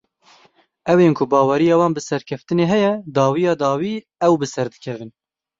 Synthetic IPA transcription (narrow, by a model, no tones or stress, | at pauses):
ɛweːnkʰʊbɑːwɛɾijɑːwɑːnbɨsɛɾkʰɛft̪ɨneːɦɛjɛd̪ɑːwijɑːd̪ɑːwiː | ɛwbɨsɛɾd̪ɨkʰɛvɨn